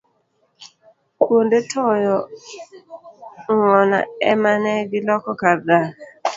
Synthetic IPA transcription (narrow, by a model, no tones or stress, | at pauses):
kwondetʰɔjɔ | ŋɔna̰ɛ̰manɛɡɪlɔkɔkaɾd̪a